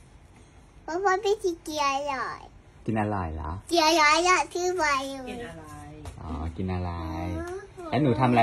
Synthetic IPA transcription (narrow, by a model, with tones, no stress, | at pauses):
pʰɔ˦˥pʰɔː˧˦baː˧˥˩t̪ʰi˧˩ki˧˩˨ʔlɔ˨˩j | ki˧nʔa˧ɾɔ̰˨˩jla̰˦˥ki˧˩˨jɔ˧˩˨lɔ˨˩jk̪ʰɯː˥˩pa˧juː˧˩ | ʔɔː˩˦ki˧nʔa˧ɾa˧˦jlɛː˦˥wnuː˨˦t̪ʰa˧m˧a˧